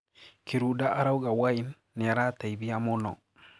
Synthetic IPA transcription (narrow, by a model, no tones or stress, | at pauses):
kiɾudaʔaɾauɡawaɪnː | ɪaɾataibiamʊnɔ